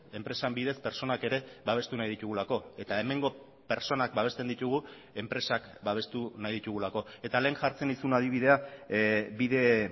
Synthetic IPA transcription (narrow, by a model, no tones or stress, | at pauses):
e̞mpɾe̞sambiðe̞spe̞ɾt͡so̞nake̞ɾe̞βaβ̞e̞st̪unajðit̪uɣulako̞e̞t̪ae̞me̞ŋɡo̞ | pe̞ɾt͡so̞nak̚baβ̞e̞st̪e̞nd̪it̪uɣ̞u | e̞mpɾe̞sakbaβ̞e̞st̪unajðit̪uɣ̞ulako̞e̞t̪ale̞ːnʝaɾt͡se̞nisunað̞iβ̞ið̞e̞a | biðe̞